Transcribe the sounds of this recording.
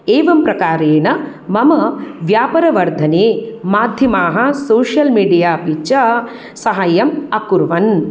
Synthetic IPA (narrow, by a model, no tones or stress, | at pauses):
eːʋɐmpɾɐkaːɾeːnɐ | mɐmɐʋjaːpɐɾɐʋɐɾd̪ʱɐneːmaːd̪ʱjɐmaːɦɐ̆soːʂjɐlmiːɖijaːpit͡ʃɐ | sɐɦɐjɐmɐkuɾʋɐn